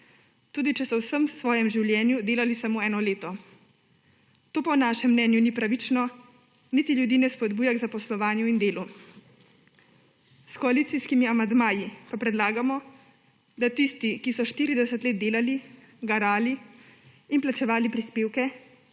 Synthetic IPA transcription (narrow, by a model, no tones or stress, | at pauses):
t̪uːd̪it͡ʃɛsɔwsəmsʋɔːjɛmʒiwljɛːnjud̪eːlalisamoːɛːnɔleːt̪ɔ | t̪oːpɔnaʃɛmːnɛːnjunipɾaʋit͡ʃnɔ | nit̪iljud̪iːnɛspɔd̪buːjaɡzapɔslɔʋaːnjuind̪eːlu | skɔaliːt̪siskimiamand̪maːjipapɾɛd̪laːɡamɔ | d̪at̪ist̪ikisɔʃt̪iːɾid̪ɛsət̪leːt̪d̪eːlali | ɡaɾaːliː | nplat͡ʃɛʋaːlipɾispeːwkɛ